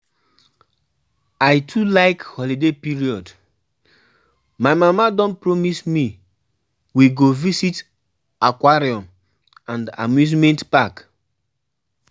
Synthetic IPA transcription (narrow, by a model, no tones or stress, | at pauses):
aɪtʰulaɪkhɔlidepiɹiɔd | maɪmamadɔ̃npɹɔmismi | wiɡovisit | akwaɹiɔ̃m | ãnda̰mjuzmɛ̃ntpak